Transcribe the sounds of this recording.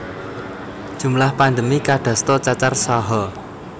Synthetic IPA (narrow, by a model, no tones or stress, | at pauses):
ʒ̥ṳmlahpand̪əmikaɖ̥a̤st̪ɔt͡ʃat͡ʃarsaɦɔ